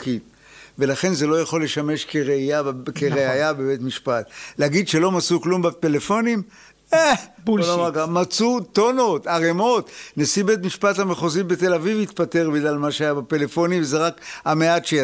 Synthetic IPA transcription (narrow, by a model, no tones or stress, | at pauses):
kit | ve̞laχe̞nze̞lo̞jaχo̞lːe̞ʃame̞ʃkeʁeijakeʁeajabebe̞tmiʃpat̪leaɡidʃe̞lo̞mat͡suklumbatele̞fo̞nim | eblomaɡamat͡sut̪ono̞taʁemo̞t̪nesibet̬miʃpathameχozibet̪e̞lavivit̪pate̞ʁbiɡlalmaʃeajabapelefo̞nimvezeʁakameatʃe